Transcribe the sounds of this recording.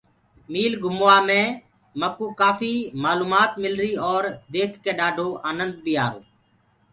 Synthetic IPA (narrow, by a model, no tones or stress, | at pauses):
miːlɡʱʊmoːaːmẽː | məkuːkaːfiːmaːluːmaːt̪mɪlɾiːɔːɾd̪eːkʰkeːɗaːɖʱoːʔaːnənd̪̚biːaːɾoː